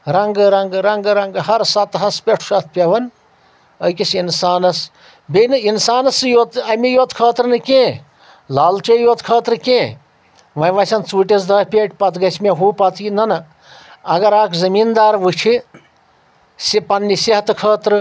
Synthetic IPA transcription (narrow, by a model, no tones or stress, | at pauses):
ɾɐŋɡɨɾɐŋɡɾɐŋɡɾɐŋɡhɐɾsɐt̪ɦɐspʲeʈʰu̥ʃɐt̪̚ʰpʲɐʋɐn | əkisinsaːnɐs | benɨinsaːnɐsɨjoːt̪ɐmijoːt̪kʰɐːt̪ɾnɨkʲẽː | laːlt͡ʃɐjoːt̪kʰɐːt̪ɾɨkʲẽː | ʋɐ̃jʋɐsʲɐnt͡suːʈʲes̬d̪ɐːpʲeʈʲpɐt̪ɡɐsʲmeɦuːpɐt̪inɐnɨ | ɐɡɐɾaːkzɐmiːnd̪aːɾʋɨt͡ʃʰi | sipɐnːisiɦɐt̪ɨkʰəːt̪ɾɨ